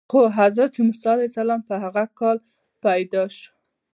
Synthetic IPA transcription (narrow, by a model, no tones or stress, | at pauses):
xoɦazɾat̪ʰemʊslɑalajsalɑmpəɦaɣakɑl | pajd̪ɑʃo̥